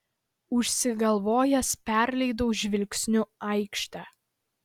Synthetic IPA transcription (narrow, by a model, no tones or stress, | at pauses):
ʊʃʲsʲɪɡɐlˠʋoːjɛspʲæɾʲlʲɛɪd̪oʊʒʲʋʲɪlʲkʲsʲnʲʊɐɪkʃt̪ɑː